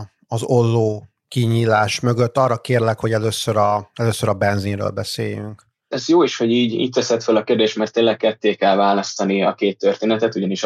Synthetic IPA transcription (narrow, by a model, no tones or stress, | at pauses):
ɒzo̞lːoː | kiɲiːlaːʃmø̞ɡøt̪ːɒrːɒkeːrlɛkho̞ɟɛløːsøɾɒɛløːsøɾɒbɛnzinrø̰ːlbɛsḛːjy̰ŋk | ɛzjoːiʃho̞ɟiːɟḭːc̪̚t̪ɛsɛt̪følɒkeːrd̪eːʃt̪mɛrt̪ːeːnlːɛk̚kɛt̪ːeːkɛlvaːlɒst̪ɒniɒkeːt̪ːørt̪eːnɛt̪ɛt̪uɟɒniʃ